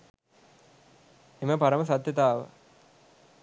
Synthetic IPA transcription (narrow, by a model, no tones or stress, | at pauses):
eməpaɾəməs̬at̪jɐt̪aːʋə̰